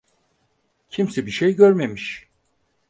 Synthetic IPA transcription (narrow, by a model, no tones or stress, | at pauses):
cʰimsɛbiʃejɟøɾme̞miʃ